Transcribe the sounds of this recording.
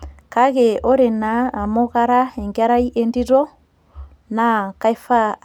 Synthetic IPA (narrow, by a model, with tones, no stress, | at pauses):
kaɣe˨o˦ɾe˨naː˨mo˦ɣaɾa˦e˨ŋɡa˦ɾa˦iʔe˦ndiɾɔ˦ | naka˦i˦fa˦